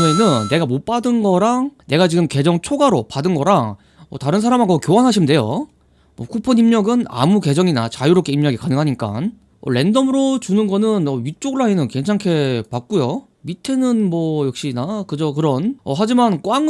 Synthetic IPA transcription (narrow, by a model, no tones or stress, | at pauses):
enɯnnːe̞ɡamop͈adɯnɡʌɾane̞ɡat͡ɕiɡɯmke̞d͡ʑʌŋt͡ɕʰoɡaɾopadɯnɡʌɾa | ʌtaɾɯnsʰaɾamaɡʌkjowanɦaɕʰimnde̞jo̰ | mʌkʰupʰɯnimɲʌɡɯna̰muke̞d͡ʑʌŋinat͡ɕajuɾok͈ʰeimɲʌɡikanɯŋɦaɲik͈a̰n | ʌ̰ɭe̞ndʌmɯɾot͡ɕunɯnɡʌnɯnʌɥit͡ɕ͈oɡɯɭaenɯnke̞ŋt͡ɕʰaŋkʰe̞pak̚k͈ujo | mitʰenɯnmʌjʌk̚ɕ͈inakɯd͡ʑʌkɯɾʌnʌɦad͡ʑimankwaŋ